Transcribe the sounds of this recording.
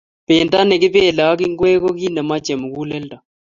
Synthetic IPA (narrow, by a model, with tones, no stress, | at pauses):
pe˨nta˦nɛ˨kɪ˦pe˦˨la˨˦kɪ˦ŋɡwɛ˦kɔ˦ki˦nɛ˨ma˦t͡ʃɛ˨mu˨ku˦lɛ˦lda˨